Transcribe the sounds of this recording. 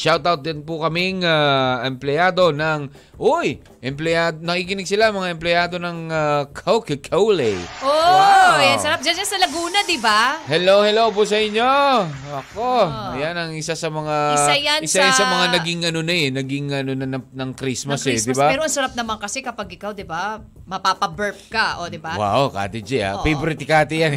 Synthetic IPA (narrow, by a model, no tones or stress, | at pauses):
ʃawt̪awt̪̚d̪ɪnpʊkɐmɪŋaʔɛmplɪjaːd̪o̞nɐŋ | ʔoj | ʔɛmplɛad̪onɐkikɪnɪɡ̚sɪlaʔɐŋmɐŋaʔɛmplɛjaːd̪o̞nɐŋakʰwkkʰɐwlɛjʔojansɐɾap̚d͡ʒand͡ʒansɐlɐɡuːnɐd̪ɪbahɛlowhɛlowpos̬ɐʔɪɲːo̞ | ʔɐkojanɐŋɪsasɐmɐŋajaɪsajansɐmɐŋanɐɡɪŋɐnonɐɛnɐɡɪŋɐnonɐnɐnɐŋkɾismɐsɛd̪ɪbaɛɾoɐŋsɐɾap̚nɐmaŋkɐsɛkɐpɐɡʔɪkawd̪ɪba | mɐpapɐbɛɹp̚kɐʔod̪ɪbawa̰wʔka̰ːt̪ɪd͡ʒia̰pejbɾɪt̪ɪkaːt̪ɪjan